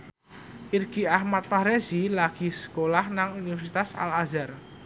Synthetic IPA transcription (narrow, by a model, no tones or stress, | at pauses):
ʔirɡ̥iahmat̪̚faɾezilaɡ̥i̤sə̥kolahnaŋunifɛrsit̪asa̰lazar